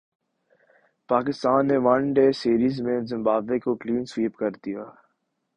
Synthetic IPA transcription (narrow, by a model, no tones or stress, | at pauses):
paːkɪst̪aːnːeʋɐnɖeːsiːɾiːzmẽzɪ̃mbaːblekokliːnsʋiːpkɐɾd̪ijaː